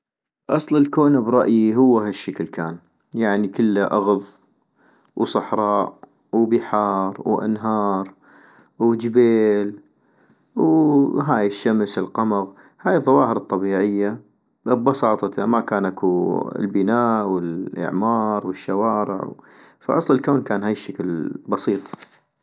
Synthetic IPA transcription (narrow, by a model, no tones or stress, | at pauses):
ʔɑsˤləlkoːnabɾˤɑʔjiɦʊwːaɦaʃːakəlkʰaːn | jaʕnikəlːaʔɑɣðˤ | wsˤɑħɾˤɑːʔ | wbɪħɑːɾˤwʔa̰nɦɑːɾˤ | wd͡ʒɪbeːl | wɦaːjɪʃːamsɪlqɑmɑɣ | haːjðˤːɑwɑːhəɾɨt̪ˤːɑbiːʕɪjːa | bbɑsɑːt̪ˤɑt̪ʰamakaːnʔakuɪ̰lbɪnaːʔwɪlʔɪ̰ʕmɑːɾˤwɪʃːawɑːɾɪ̰ʕ | fa̰ʔɑsˤlɪlkaːnkaːnɦaːjɪʃːaklbɑsˤiːt̪ˤ